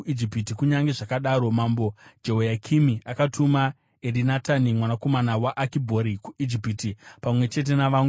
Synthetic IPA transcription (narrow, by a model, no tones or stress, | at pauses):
id͡ʒipitikuɲaŋɡeʐakaɗaːɾo̞mambo̞d͡ʒeɦojakʰimiakatuma | erinatanimwanako̞manawaʔakibʱo̞ɾikuid͡ʒipiːtipamwe̞t͡ʃe̞t̬e̞naʋam